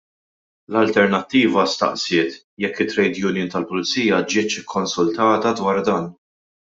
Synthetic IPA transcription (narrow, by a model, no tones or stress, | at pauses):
lɐlt̪ɛɾnɐt̪ːiːvɐst̪ɐ̰ʔsɪːt̪ | jɛkːɪt̪ːɾɛjd̪jʊnɪːnt̪ɐlpʊlɪt͡sːiːjɐd͡ʒɪːt͡ʃɪkʰːɔnsʊlt̪ɐːt̪ɐd̪wɐːɾd̪ɐːn